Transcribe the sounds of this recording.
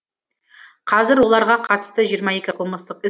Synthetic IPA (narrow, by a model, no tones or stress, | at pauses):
qʰɑzɪɾwo̞lˠɑɾʁɑqʰɑt̪ə̥st̪əʒijəɾmɑe̞kʲɪqʰəlˠməst̪əqɪ